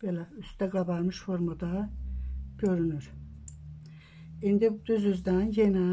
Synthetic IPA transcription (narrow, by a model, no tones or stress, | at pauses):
b̥elʲæyst̪ɛɡabaɾmɯʃfo̞ɾmad̪a | ɟ̥ø̞ɾynyɾ | ind̪id̪̥yzyzd̪ænjena